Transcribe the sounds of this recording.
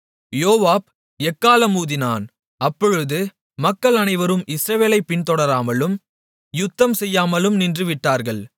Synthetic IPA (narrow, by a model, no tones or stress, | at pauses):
joːʋaːb̚ | ɛkːaːlɐmuːðɪna̰ːn | ɐpːɔɻɯðɯ | mɐkːɐɭɐnɐɪʋɐɾɯmʔɪsɾɐʋeːlɐɪpːɪnt̪ɔɽɐɾaːmɐlɯm | jʊt̪ːɐmsɛjːaːmɐlɯmnɪndrɯʋɪʈːaːɾɣɐɭ